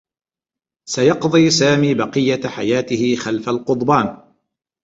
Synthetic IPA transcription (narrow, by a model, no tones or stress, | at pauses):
sajɑqd̪ˤiːsaːmiːbɑqɨjːaħajaːt̪ɪhɪxalfalqʊd̪ˤbaːn